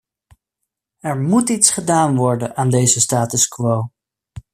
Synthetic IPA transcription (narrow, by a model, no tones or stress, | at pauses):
ɛɹmutitsχədaːnʋɔɹdənaːndejzəstaːtəskʋow